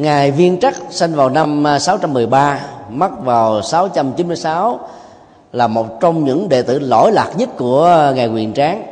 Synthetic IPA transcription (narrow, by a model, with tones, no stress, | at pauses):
ŋaː˨˩jvi˧ənt͡ɕa˦˥k̚sa˧jnvaː˨˩wna˧msaː˨˦wt͡ɕa˧mːɨ˨˩əjɓaː˧ma˦˥t̚vaː˨˩wsaː˨˦wt͡ɕa˧mt͡ɕi˨˦nmɨ˧əjsaː˨˦w | laː˨˩mo˨˩t̚t͡ɕɔ˧wŋ͡mɲɨ̰˧˥ŋɗḛ˧˨t̪ɨ̰˧˩lo̰˧˥jlaː˨˩k̚ɲə˦˥t̚ku˧˩əŋa˨˩jkwḭ˨˩ənt͡ɕaː˨˦ŋ